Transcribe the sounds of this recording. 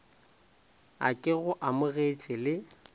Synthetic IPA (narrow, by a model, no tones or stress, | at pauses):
a̰kʼɪɣʊʔamʊɣet͡ʃʼɪlɪ